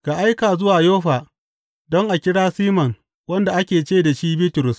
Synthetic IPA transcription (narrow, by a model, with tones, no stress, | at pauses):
ka˨ʔa˦jkaː˨zʊ˦waː˨joː˦ɸaː˨ | dɔ˦ŋʔa˨kʲɪ˦ɽaː˦siː˦mɐ˨ŋ | wɐ˦nda˨ʔa˦kʲeː˨t͡ʃeː˦da˨ʃiː˦biː˦tʊ˨ɾʊ˨s